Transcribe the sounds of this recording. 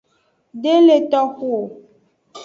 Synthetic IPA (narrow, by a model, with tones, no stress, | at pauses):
ɖe˦le˨t̪ɔ˦xu˦o˨